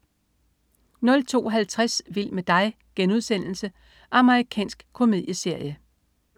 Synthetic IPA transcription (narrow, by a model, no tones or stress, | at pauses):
nɔ̽lt͡sʰo̝̰ːɦælt͡sʰʁasʋil̰med̥ɑ̈ɪ | ɡ̥enuð̞ˠsen̰l̩sə | ʔɑ̈məʁikʰɛ̰ːnsɡ̥kʰo̝me̝ðˠjəse̝ɐ̰jə